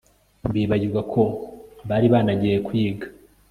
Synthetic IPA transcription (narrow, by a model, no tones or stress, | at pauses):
mbiːβaɟiɾɡakʰo̞βaːɾiβaːnaɟijekujiːɡḁ